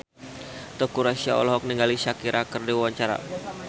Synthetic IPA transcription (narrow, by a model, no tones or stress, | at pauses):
t̪ɔkuɾasia̰ɔ̰lɔɦɔk̚niŋɡaliʃakiɾʔakərdiwawaɲt͡ʃaɾa̰